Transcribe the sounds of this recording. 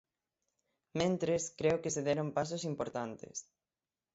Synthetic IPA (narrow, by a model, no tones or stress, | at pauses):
mẽnt̪ɾeskɾeʊkɪseðɛɾompasosimpoɾt̪ant̪ɪ̰s